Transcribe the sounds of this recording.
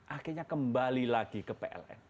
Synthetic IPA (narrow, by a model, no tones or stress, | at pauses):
ʔakirɲakəmbalilaɡ̥ikəpeʔɛ̰lɛ̰n